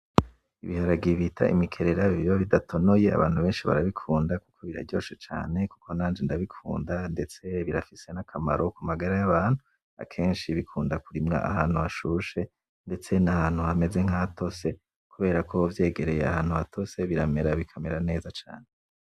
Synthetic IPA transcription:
iβihaɾaɡiβitʰa̰ʔḭmikʰe̞ɾe̞ɾaβiβiβoβidatʰo̞no̞je̞a̰βaːn̥huβeːnʃiβa̰ɾaβikʰuːndakukʰo̞βiɾa̰ɾɟo̞̰ʃet͡ʃa̰ːne̞kukʰo̞naːnd͡ʒendaβikʰṵːndande̞t͡se̞βiɾafise̞nakʰama̰ɾo̞kumaɡaɾajaβaːn̥hu | a̰kʰe̞ːnʃiβikʰuːndakuɾimŋa̰ʔa̰haːn̥huaʃuʃe̞ | nde̞t͡se̞nahaːn̥huame̞ze̞ŋ̥ato̞se̞ | kuβe̞ːɾakovje̞ːɡe̞ɾe̞jea̰haːnhuatʰo̞se̞βiɾame̞ɾaβikʰame̞ɾane̞ːzat͡ʃa̰ːne

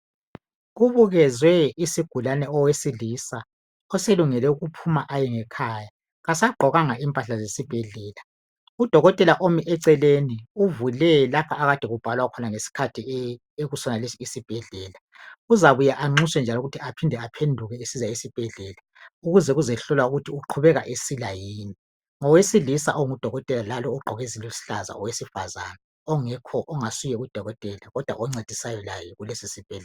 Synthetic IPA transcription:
ɣuβuɣɛzwɛisiɡ̥ʱulanɛɔwesilisa | ɔseluŋɛlɛuɣupʰumaʔajɛŋɛkʰaːja | ɣasaɡ͡ǃʱɔɣaŋaimpʼaɬazesib̥ʱɛɮɛːla | ud̥ʱɔɣɔtʼɛlaʔomiʔɛǀɛleniuvulɛlapʰaːɣad̥ʱɛɣub̥ʱalwakʰɔnaŋesi̥kʰatʰi | eɣusɔnalisiisib̥ʱɛɮɛːla | uzaβujaʔaŋ͡ǀiswɛnd͡ʒʱalɔuɣutʰiapʰindʱɛapʰendʱuɣɛesizaisib̥ʱɛɮɛːla | uɣuzɛɣuzɛɬɔlwauɣutʰiuǃʰuβɛɣaʔesilajiːni | ŋɔwesilisa̰ʔɔŋud̥ʱɔɣɔtʼɛlalalɔuɡ͡ǃʱɔɣezilusi̥ɬaza̰ɔwesifazana | ɔŋɛkʰɔʔːŋasujɛud̥ʱɔɣɔtʼɛlaɣɔd̥ʱwa̰ʔɔŋ͡ǀed̥ʱisajɔlajɛɣulesisib̥ʱɛɮɛa

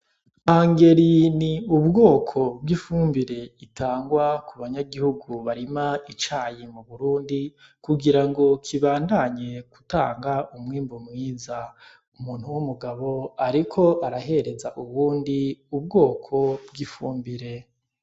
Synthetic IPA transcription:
aŋɡe̞ɾiniubɡo̞ːkʰo̞b̚ɡifuːmbiɾe̞itʰaːŋɡwakuβaɲaɡihuɡuβaɾimait͡ʃaːjimuβuɾuːndikuɡiɾaŋɡo̞kʰiβaːndaɲe̞ku̥ta̰ːŋɡaumŋiːmbumŋiːza | umuːn̥huwumuɡaβo̞aɾikʰo̞ʔaɾaɦe̞ɾe̞zaʔuβuːndiub̚ɡo̞ːkʰo̞bɡifuːmbiɾe̞

